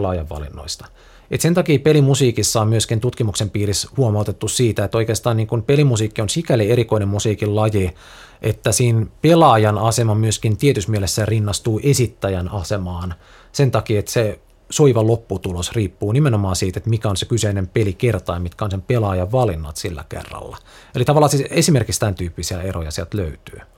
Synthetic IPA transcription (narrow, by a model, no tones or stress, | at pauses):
lɑːjɑʋʋɑ̰lḭnːo̰ist̪ɑ̥ | et̪sent̪ɑkiːpelimusiːkisːɑommyøskint̪ut̪kimuksempiːrishuomɑut̪et̪ːussiːt̪æet̪ːoikeːst̪ɑːniːŋkunpelimusiːkːionsikælieɾikoinemmusiːkillɑje | ʔet̪ːæsiːnpelɑːjɑnɑsemɑmyøskint̪iet̪ysmielesːærinːɑst̪uːʔesit̪ːæjænɑsemɑːn | sent̪ɑkiːet̪se | soiʋɑlopːut̪ulosriːpːuːnimenomɑːnsiːt̪et̪mikæonsekyseinempelikert̪ɑjmit̪kæonsempelɑːjɑʋʋɑlinːɑ̰t̪silːæ̰kḛrːɑ̰lːɑ̰ | elit̪ɑʋɑlːˑɑːsiesimerkikst̪ænt̪yːpːisiæ̰erojɑsielt̪løyt̪y̥̰ː